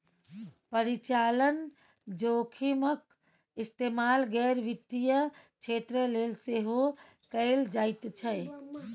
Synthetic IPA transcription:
pəɾɪt͡ʃaːlən | d͡ʒoːkʰimək | ɪst̪eːmaːlɡɛːɾʋɪt̪ːijəkʰeːt̪ɾəleːlseɦo | kəeld͡ʒaːɪt̪t͡ʃʰɛ

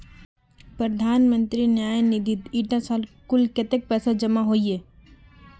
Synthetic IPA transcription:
pɾəd̪ʱaːnmə̃nt̪ɾinjaːjnid̪ʱit̪iːʈasaːlkʊlket̪ek̚pɛːsad͡ʒəmaɦoːieː

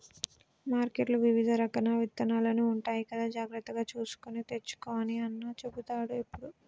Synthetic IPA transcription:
maːɾkeʈluʋiʋid̪ʱɐɾɐkɐnaːʋit̪ːɐnaːloːniuɳʈaːjikɐd̪aːd͡ʒaːɡɾɐt̪ːɐɡaːt͡ʃuːsu̥konet̪e̞t͡ʃːu̥koːɐniɐnːaːt͡ʃebut̪aːɽuepːuɽu

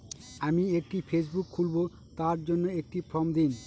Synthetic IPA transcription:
amiek̚ʈifʰes̬bukʰːulbo | t̪aɾd͡ʑonːoek̚ʈipɾɔmd̪in

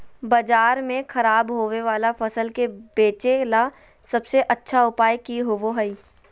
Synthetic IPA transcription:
bɐd͡ʒaːɾmẽxɐɾaːbɦoːʋeʋaːlafɐsəlkebeːt͡ʃela | sɐbseʔɐtːʃʰaʊpaːjkiɦoʋoɦɐi

